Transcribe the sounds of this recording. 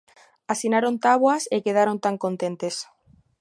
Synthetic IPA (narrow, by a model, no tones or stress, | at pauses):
asinaɾont̪aβwasekeð̞aɾont̪aŋkont̪ent̪es